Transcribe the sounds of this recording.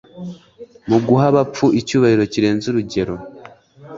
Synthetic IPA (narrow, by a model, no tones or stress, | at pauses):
muɡuɦaβap͡fuicuːβahiɾo̞ciɾe̞ːnzuɾuɟe̞ɾo̞